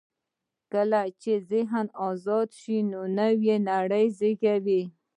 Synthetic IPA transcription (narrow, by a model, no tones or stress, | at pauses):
kəlat͡ʃezɪɦnɑzɑd̪ʃinonawjenaɽəjzɪkawi